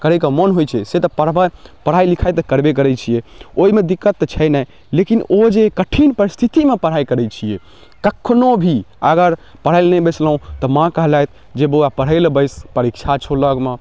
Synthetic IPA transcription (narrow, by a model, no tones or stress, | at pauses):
kəɾəkəmənɦojt͡ʃʰɛset̪ɔpəɽbəpəɽ̤ajlikʰajt̪kəɾbek̬əɾɛt͡ʃʰijeoimed̪ikːət̪ːt͡ʃʰəjnə | lekinod͡ʒekəʈʰinpəɾist̪ʰit̪imepəɽ̤aikəɾɛt͡ʃʰije | kəkʰːnobʱiəɡəɾ | pəɽ̤əɪlnɛbəjslɦũt̪ɔmãkəɦlajt̪̚ʰ | d͡ʒeboapəɽ̤əlbəjspəɾikt͡ʃʰat͡ʃʰoləɡme